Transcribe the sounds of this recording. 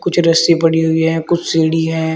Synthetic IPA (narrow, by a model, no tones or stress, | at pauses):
kʊt͡ʃʰɾɐsipɐɽiɦʊiɦɛːkʊt͡ʃʰseːɽiɦɛ̃ː